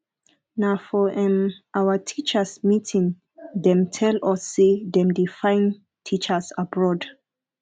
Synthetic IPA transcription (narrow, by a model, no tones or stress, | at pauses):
nafɔʔɛ̃mʔawətʰit͡ʃəsmitʰĩŋ | dɛ̃mtʰɛlɔsedɛ̃mdifãjn | tʰit͡ʃəsabɹɔd